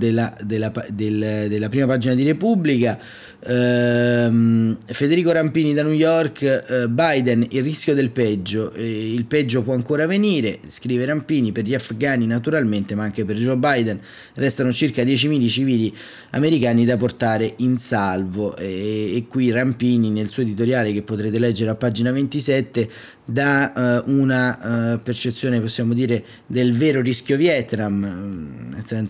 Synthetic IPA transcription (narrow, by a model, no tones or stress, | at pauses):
d̪elad̪elːapad̪eld̪elːapɾiːmapaːd͡ʒinad̪iɾepublika | mfed̪eɾiːkoɾampiːnid̪anujɔrkbajd̪ɛnilriskʲjod̪elpɛd͡ʒːoʔilpɛd͡ʒːopwɔaŋkoːɾaveniːɾeskɾiːveɾampiːniperʎiafɡaːninat̪uɾalment̪emaaŋk̟eperd͡ʒobajd̪ɛn | rɛst̪anot͡ʃirkad̪jɛːt͡ʃimiːlit͡ʃiviːli | a̰meɾikaːnid̪apːort̪aːɾeʔinsalvoʔeːkːwirampiːninelsuːoed̪it̪oɾjaːlek̟epːot̪ɾeːt̪̬elɛd͡ʒːeɾeapːad͡ʒinavent̪isɛt̪ːe | d̪aunapert͡ʃet̪sːjoːneposːjaːmod̪iːɾe | d̪elveːɾoriskjovjɛt̪nam | ḛsɛns